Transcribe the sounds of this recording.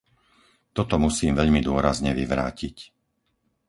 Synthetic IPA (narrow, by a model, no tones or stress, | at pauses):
t̪ɔt̪ɔmusiːmʋɛʎmid̪ʊɔɾazɲɛʋiʋɾa̰ːcic